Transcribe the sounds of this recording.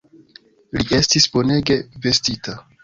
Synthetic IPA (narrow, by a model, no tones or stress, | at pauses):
liʔe̞stisbo̞ne̞ɡe̞ve̞stita